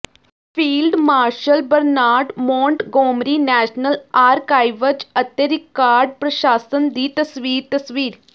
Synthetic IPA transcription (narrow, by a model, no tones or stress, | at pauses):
fiːlɖmaːɾʃəlbəɾnaːɾʈmɔ̃ːɳʈɡoːmɾiːnɛːʃnəlaːɾkaːjʋət͡ʃɐt̪jəɾikːaːɾɖ̚pɾɐʃaːsənd̪iːt̪ɐsʋiːɾt̪ɐsʋiːɾ